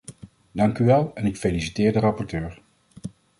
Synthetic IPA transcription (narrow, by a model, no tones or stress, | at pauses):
dɑŋkyʋɛlˠɛnɪkfelisitɪːɹdərɑpɔɹtøːɹ